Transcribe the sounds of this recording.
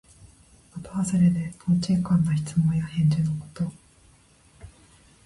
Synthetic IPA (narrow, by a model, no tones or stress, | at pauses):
at̪aaseɾed̪e̞pʰõt͡ɕikãnːaçi̥t͡sɨmõ̞ɰ̃jahẽ̞ɲ̟d͡ʑɨnoko̥t̪o